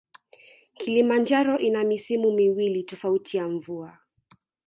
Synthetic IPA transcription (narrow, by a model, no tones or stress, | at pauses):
kʰilimand͡ʒaɾɔʔinamisimumiwilitɔfautʰijaɱvua